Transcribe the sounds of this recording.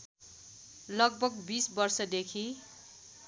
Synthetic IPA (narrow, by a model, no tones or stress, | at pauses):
lʌɡ̚bʌɡbisbʌrsʌd̪ekʰi